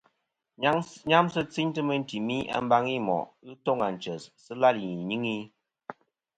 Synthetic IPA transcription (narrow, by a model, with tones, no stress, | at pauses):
ɲa˦msɨ˦t͡si˦ɲtɨ˦mə˦n˦ti˨mi˦ʔa̰˨˦m̩˦ba˦ŋi˦mɔ̰˨ʔɣɨ˦tɔ˦ŋa˨n̩˨t͡ʃə˨ssɨ˦la˦li˨ɲi˦ŋi˦